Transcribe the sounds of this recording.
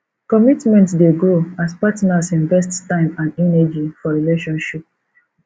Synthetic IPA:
kɔmitmɛ̃ntdeɡɹoaspatnasĩnvɛsttãɪ̃mãnɛnɛd͡ʒifɔɹileʃɔ̃nʃip̚

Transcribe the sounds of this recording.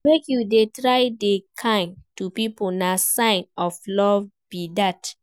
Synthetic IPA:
mekjudetɹaɪdekʰãɪ̃ntupiponasãɪ̃nɔflɔvb̥idat

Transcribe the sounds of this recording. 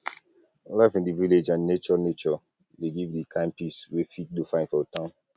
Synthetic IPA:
laɪfĩndiviled͡ʒãnnet͡ʃɔnet͡ʃɔ | leɡivdikʰãɪ̃mpiswefit̚dufãɪ̃ndfɔtãʊ̃n

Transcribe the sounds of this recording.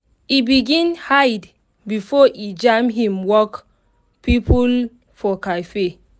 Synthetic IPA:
ibiɡĩnhajd | bifɔʔid͡ʒãmɦĩmwɔk | pipul | fɔkafe

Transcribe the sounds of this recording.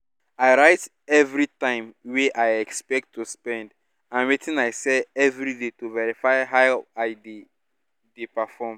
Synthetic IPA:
aɪɹaɪt | ɛvɹitãɪ̃mweʔajɛkspɛk̚tːuspɛ̃nd | ãnwetĩnaɪsɛɛvɹidetuvɛɹifaɪɦawaɪde | depɛfɔm

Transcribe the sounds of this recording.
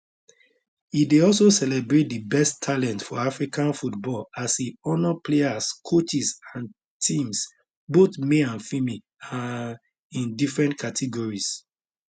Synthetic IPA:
ideɔlsosɛlɛbɹet̚dibɛstʰːalɛ̃ntfɔafɹikãnfutbɔlasiɔnɔpleaskʰot͡ʃisãn | tʰĩms | botmeãnfimi | a | ĩndifɹɛ̃ntkʰatʰiɡɔɹis

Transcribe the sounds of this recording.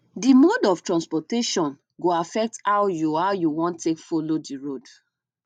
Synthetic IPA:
dimɔdɔftɹãnspɔteʃɔ̃n | ɡoafɛk̚tawjuawjuwɔ̃ntːekfolodiɹod

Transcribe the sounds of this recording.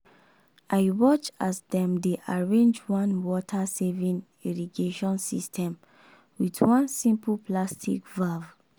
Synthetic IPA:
ʔaɪwɔt͡ʃasdɛ̃mdeʔaɹẽnd͡ʒwãnwɔtʰasevĩn | iɹiɡeʃɔ̃nsḭstʰɛ̃m | widwɔ̃nsĩmpəplastʰḭkvav

